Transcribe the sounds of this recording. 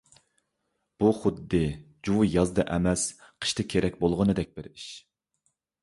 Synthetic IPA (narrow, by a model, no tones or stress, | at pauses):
b̥uχʊd̪ːɨ | d͡ʒuwjɑzd̪ɨʔɛmɛsqʰə̥ʃt̪ʰɨkʲʰeɾʔɛk̚ʲbolˠʁənɨd̪ɛk̚ʲbɪɾiʃ